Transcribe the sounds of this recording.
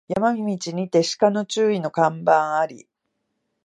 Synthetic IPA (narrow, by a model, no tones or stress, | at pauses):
jamamʲimʲit͡ɕiɲ̟it̪e̞ɕi̥kano̞t͡ɕɨːino̞kãmbãɰ̃aɾʲḭ